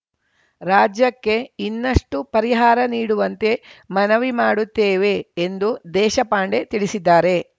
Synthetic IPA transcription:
ɾaːd͡ʒjɐkːe̞inːɐʂʈupɐɾiɦaːɾɐniːɽuʋɐnt̪e̞mɐnɐʋimaːɽut̪ːeːʋe̞ːnd̪ud̪ɛːʃɐpaːɳɖe̞t̪iɭisid̪ːaːɾe̞

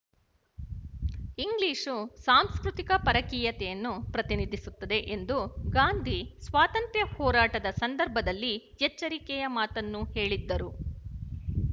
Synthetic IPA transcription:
iŋɡliːʂusaːmskɾut̪ikɐpɐɾɐkiːjɐt̪ɛjɐnːupɾɐt̪inid̪ʱisut̪ːɐd̪e̞ʔend̪uɡaːnd̪ʱisʋaːt̪ɐnt̪ɾjɐhɔːɾaːʈɐd̪ɐsɐnd̪ɐɾbʱɐd̪ɐlːi | jɛt͡ʃːɐɾikɛjɐmaːt̪ɐnːuhe̞ːɭid̪ːɐɾu

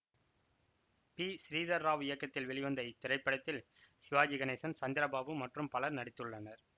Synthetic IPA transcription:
piːsɪɾiːðɐɾaːʋɪjɐkːɐt̪ːɪlʋɛɭɪʋɐnd̪ɐɪt̪ːɪɾɐɪpːɐɽɐt̪ːɪl | sɪʋaːd͡ʒɪɣɐneːsɐnsɐnd̪ɪɾɐbaːʋɯmɐʈrɯmpɐlɐɾnɐɽɪt̪ːɯɭːɐnɐɾ

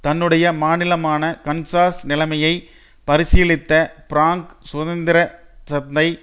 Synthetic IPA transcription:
t̪ɐnːɯɽɐjɐmaːnɪlɐmaːnɐkɐnsaːsnɪlɐmɐjɐɪ | pɐɾɪsɪjɭɪt̪ːɐpɪɾaːŋksʊðɐnd̪ɪɾɐsɐt̪d̪ɐɪ

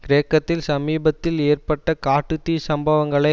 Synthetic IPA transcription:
kɪɾeːkːɐt̪ːɪlsɐmiːbɐt̪ːɪleːrpɐʈːɐkaːʈːɯt̪ːiːsɐmbɐʋɐŋɡɐɭɐɪ

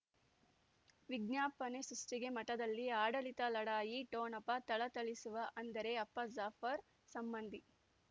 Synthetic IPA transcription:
ʋiɡnjaːpɐnesɾuʂʈiɡe̞mɐʈɐd̪ɐlːiaːɖɐlit̪ɐlɐɽaːjiʈoːnɐpːɐt̪ɐɭɐt̪ɐɭisuʋɐʔɐnd̪ɐɾe̞ɐpːɐzaːpɐɾ | sɐmbɐnd̪ʱi

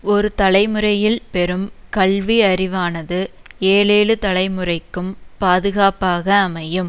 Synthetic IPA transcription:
ɔɾɯt̪ɐlɐɪmɯrɐjɪlpɛɾɯmkɐɭʋiɐrɪʋaːnɐðɯ | eːleːlɯt̪ɐɭɐɪmɯrɐɪkːɯmpaːðɯɣaːpaːɣɐːmɐjɯm

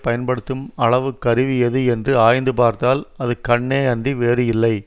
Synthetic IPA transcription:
pɐjɐnpɐɽɯt̪ːɯmɐɭɐʋɯkːɐɾɪʋɪjɐðɯɛndrɯaːjnd̪ɯpaːɾt̪aːlɐðɯkɐɳːeːɐndriʋeːɾɯjɪlːɐɪ

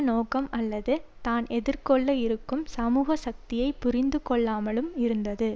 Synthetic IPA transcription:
noːkɐmɐlːɐðɯt̪aːnʔɛðɪɾkɔɭːɐɪɾɯkːɯmsɐmuːɣɐsɐk̚t̪ɪjɐɪpːʊɾɪnd̪ɯkɔɭːaːmɐɭɯmɪɾɯnd̪ɐðɯ

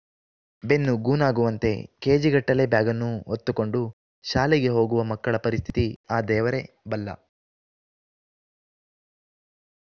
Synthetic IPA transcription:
be̞nːuɡuːnaːɡuʋɐnt̪e̞̰ke̞ːd͡ʒiɡɐʈːɐle̞bjaːɡɐnːuɦot̪ːuko̞ɳɖu | ʃaːliɡe̞ɦo̞ːɡuʋɐmɐkːɐɭɐpɐɾist̪ʰi̥t̪iaːd̪ɛːʋɐɾe̞ | bɐlːɐ̰

